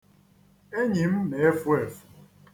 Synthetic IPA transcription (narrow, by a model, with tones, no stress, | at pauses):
e˦ɲi˨m̩˦me˨˦e˦fu˦e˨fu̥˨